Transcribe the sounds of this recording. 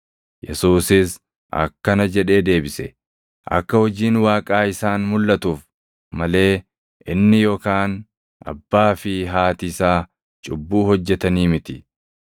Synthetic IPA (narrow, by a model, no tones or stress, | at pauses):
jɛsuːsɪs | ʔɐ̰kːɐnɐd͡ʒɛᶑe̞ːd̪e̞ːbɪsɛ | ʔɐ̰kːɐhɔd͡ʒiːnwaːkʼaːɪsaːnmʊlːɐt̪uːf | mɐle̞ː | ʔɪnːɪjoːkaːn | ʔɐ̰bːaːfɪɦaːt̪ɪsaː | t͡ʃʼʊbːuːhɔd͡ʒːɛt̪ɐniːmɪt̪ɪ